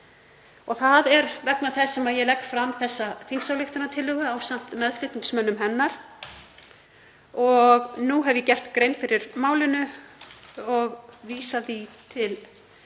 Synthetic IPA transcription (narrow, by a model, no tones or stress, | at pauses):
ɔɣθaðɛɾvɛknaθɛsːɛmaðjɛlɛkːfɾamθɛsːafinsawlɪxt̪ʏnat̪ʰɪlːʏɣʏawsam̥t̪mɛðflɪt̪iŋksmœnːʏmɦɛnːaɾ̥ | ɔɣnuɦɛvjɛcɛr̥t̪kɾejnfɪɾɪɾmaːwlɪnʏ | ɔɣviːsaðit̪ʰɪl